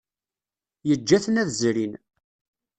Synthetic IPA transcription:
jəd͡ʒːæθənæðzɾin

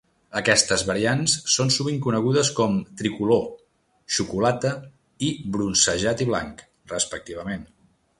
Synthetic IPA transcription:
əkɛst̪əzβəɾiansːonsuβiŋkunəɣ̞uðəskɔmt̪ɾikulo | ʃukulat̪ə | ibɾunsəʒat̪iβ̞la̰ŋk | rəspək̚t̪iβ̞əmen

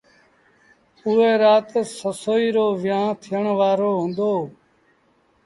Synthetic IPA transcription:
ʊeːɾaːt̪səsoːiːɾoːʋɪjãːt̪ʰɪjəɳʋaːɾoːɦũːnd̪oː

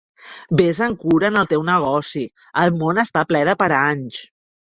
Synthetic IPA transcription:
bezəŋkuɾənəlˠt̪ewnəɣ̞ɔsi | əlˠmonəst̪aplɛðəpəɾaɲs

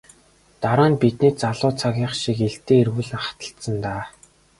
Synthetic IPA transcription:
t̪aɾaːnpit̪niːt͡saɮʊːt͡sʰaɣʲiːχʃikeɮt̪eːerɣuːɮɘ̆ŋχḁt̪ə̆ɬt̪sə̆nt̪aː

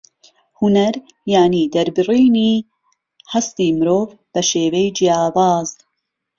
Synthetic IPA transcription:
hunɐɾ | jaːniːd̪ɐɾbɨriːniː | hɐst̪iːmɨɾoːv | b̥ɐʃeːwɛjd͡ʒijaːvɑːz

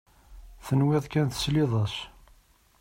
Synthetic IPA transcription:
θənwɪðˤkænt̪ə̥sliðˤɑs

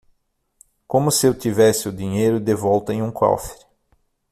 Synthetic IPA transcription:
kõmʊsɪewt̪ivɛsɪʊd̪ĩɲejɾʊd̪evɔwt̪ɐẽj̃ũkɔ̰feɾ

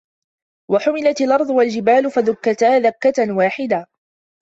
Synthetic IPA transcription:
waħʊmɪlat̪alʔɑɾˤðˤʊwald͡ʒɪbaːlʊfaðʊkːat̪aːðakːat̪nwaːħɪd̪a

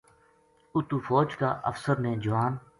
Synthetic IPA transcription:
ʊt̪uːfoːd͡ʒka̰ːʔə̰fsəɾnẽːd͡ʒəʋaːn

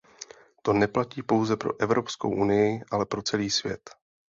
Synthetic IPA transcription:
t̪o̞nɛplaciːpo̞wzɛpɾo̞̰ʔɛvɾo̞psko̞̰wʔunɪjɪʔalɛpɾo̞t͡sɛliːsvjɛ̰t̪

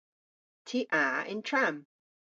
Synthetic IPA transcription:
tʰiːʔaɪ̰̃ntʰɹ̥ãm

